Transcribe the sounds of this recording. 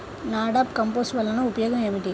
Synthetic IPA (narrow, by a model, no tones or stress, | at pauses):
naːɽaːpkɐmpoːsʋɐlːɐnɐ̃ʊpɐjoːɣɐmemɪʈːi